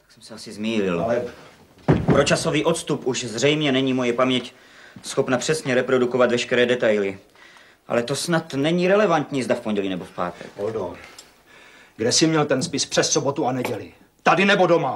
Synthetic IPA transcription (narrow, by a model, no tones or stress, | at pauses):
t̪aksɛmsɛasɪzmiːlɪlɛ | pɾo̞t͡ʃaso̞viːʔo̞t̪st̪upʔuʃzrɛjmɲɛnɛɲiːmo̞jɛpamɲɛc | sxo̞pnapr̝̥ɛsɲɛɾɛpɾo̞duko̞vat̪vɛʃkɛɾɛːdɛt̪ajlɪ | ʔa̰lɛt̪o̞snat̪nɛɲiːɾɛlɛvant̪ɲiːzdafpo̞nɲɟɛliːnɛbo̞fpa̰ːt̪ɛ̰kodo | ɡdɛsɪmɲɛlt̪ɛnspɪspr̥ɛssobot̪uanɛɟɛlɪ | t̪adɪnɛbo̞do̞ma